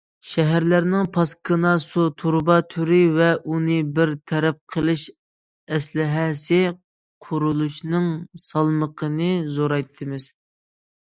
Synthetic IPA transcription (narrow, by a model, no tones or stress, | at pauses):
ʃɛɦæɾlæɾnɪŋpʰɑskʰɨnɑsut̪ʰuɾbɑt̪ʰyɾɪvɛʔunɨbɪɾt̪ʰɛɾɛp̚qʰəlˠɨʃ | ɛslɪɦɛsɪ | qʰʊɾulˠut͡ʃnɨŋsɑlˠməqʰənɨzoɾɑjt̪ʰːɨmɪz̥